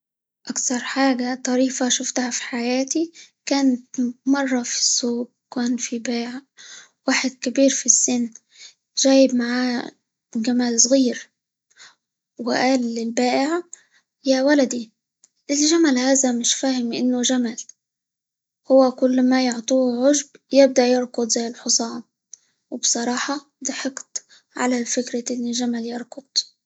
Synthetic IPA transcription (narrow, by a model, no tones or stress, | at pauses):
ʔakθɑɾˤħaːɡat̪ˤɑɾiːfaʃʊft̪hafi̥ħajaːt̪i | kaːnt̪mɑrˤːɑfi̥sːuːɡ̚ | kæːnfibaːʕ | waːħɪd̪̚kɪbiːɾfisːɪnː | ʒæːjɪbmaʕaː | ɡamælsˤɣiːɾ | wɪ̰ʔaːlːɪlbaːʔɪʕ | jawalad̪i | ʔɪlʒamalhaːzamɪʃfaːhɪmʔɪ̰nːʊʒamal | hʊwːakʊlːmajʊʕt̪ˤuːʕʊʒbjɪb̚d̪aʔjɪɾˤkʊd̪ˤzajːɪlħʊsˤɑːm | wɪbsˤɑɾˤɑːħɑ | d̪ɑħɑqt̪ | ʕa̰lafɪkɾaʔɪnːɪʒamaljɪɾˤkʊd̪̥̚ˤ